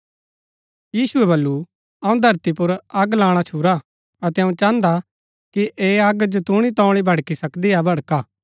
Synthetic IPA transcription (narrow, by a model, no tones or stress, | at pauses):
jiːsʊɛbɐlːu | ɐũd̪ʱɐɾt̪ipʊɾɐɡlãːɽ̃at͡ʃʰuːɾa | ɐt̪ɛɐũt͡ʃãːnd̪a | kiʔeːɐɡd͡ʒot̪uɽ̃it̪ɔ̃ːɽ̃ibʱɐɽkisɐkd̪iabʱɐɽkaː